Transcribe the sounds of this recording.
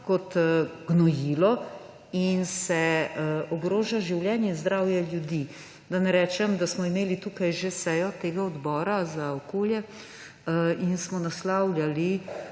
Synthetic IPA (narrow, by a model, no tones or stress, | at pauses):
kɔt̪ɡnɔjiːlɔ | insɛɔɡɾoːʒaʒiwljɛːnjɛinzd̪ɾawjɛljud̪i | d̪anɛɾɛːt͡ʃɛmd̪asmɔimeːlit̪uːkajʒesɛjɔt̪eːɡaɔd̪bɔːɾazaɔkoːljɛ | insmɔnaslawlʲjali